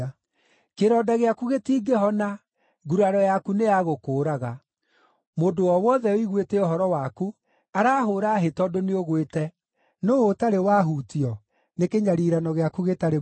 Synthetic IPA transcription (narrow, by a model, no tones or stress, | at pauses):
keɾɔːdaɣeakuɣetiːɡeɦɔna | ɡuɾaɾɔjakunejaɣokoːɾaɣa | modowɔwɔðɛoiɣweteoɦɔɾɔwaku | aɾaːɦoːɾaːɦetɔdoneoɣwetɛ | noːtaɾewaːɦuːtiɔ | nekeɲaɾiɾanɔɣeakuɣetaɾe